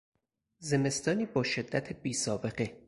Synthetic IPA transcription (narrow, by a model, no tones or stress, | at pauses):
ze̞me̞st̪ɒːniːbɒːʃe̞d̪ːæt̪ʰebiːsɒːbe̞ɢe̞